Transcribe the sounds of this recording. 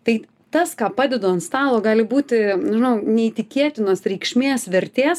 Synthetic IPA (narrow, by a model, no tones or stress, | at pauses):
t̪ɐɪ | t̪ɐskɑːpɑːd̪ʲɛd̪oːɪnst̪ɑːlˠoːɡɑːlʲɪbuːt̪ʲɪnʲʒʲɪnɐʊnʲɛit̪ʲɪkʲiɛt̪ʲɪnoːsɾʲɛɪkʃʲmʲeːsʋʲɛɾʲt̪ʲeːs